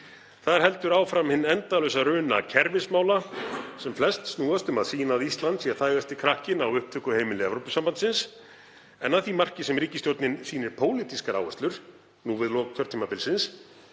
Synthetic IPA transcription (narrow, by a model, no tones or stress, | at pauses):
θaðɪɾ̥ɦɛl̪t̪ʏɾaːwfɾamhɪnːɛnt̪alœɥsaɾʏːna̰cʰɛɾvɪsmaːwlasɛmflɛst̪snuːðast̪ʏmaðsiːnaðist̪lant̪sjɛɾ̥θaːjɣast̪ɪkʰɾahcɪnawʏhp̚t̪ʰʏhkʏheːjmɪlɪɛvɾowpʏsampant̪sɪns | ɛnːaðθimar̥cɪsɛmɾiːcɪst̪jowɾt̪nɪnsiːnɪɾ̥pʰoːwlit̪iskaɾa̰wɛst̪lʏɾ̥ | nuːvɪðlɔːk̚t̪ʰœɾt̪ʰiːmapɪlsɪns